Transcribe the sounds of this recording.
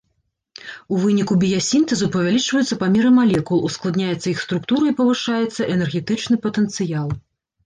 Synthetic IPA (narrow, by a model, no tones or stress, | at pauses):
uvɨnʲikubʲijɐsʲint̪ɛzupɐvʲalʲit͡ʂvɐjut̪sːɐpamʲɛɾɨmalʲɛkulˠusklˠad̪nʲajɛt̪sːɐixst̪ɾukt̪uɾɐipɐvɨʂajɛt̪sːɐʔɛnɛrɣʲɛt̪ɨt͡ʂnɨpɐt̪ɛnt̪sɨjalˠ